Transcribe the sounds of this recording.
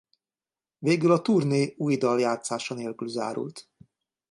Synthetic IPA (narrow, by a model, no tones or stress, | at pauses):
veːɡylɒt̪uːrneːuːjd̪ɒljaːt̪saːʃɒneːlkylza̰ːɾṵlt̪